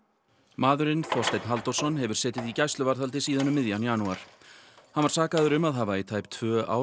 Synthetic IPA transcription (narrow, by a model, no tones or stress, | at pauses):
maːðʏɾɪnθɔst̪ejt̪nɦalt̪ɔwsɔnɦɛvʏɾ̥sɛːt̪ɪðicajst̪lʏvaɾθalt̪ɪsiːðanʏmːɪðjanjanuaɾ̥hanvaɾ̥saːkaðʏɾʏmaðɦaːvait̪ʰaːjpt̪ʰvœːa̰w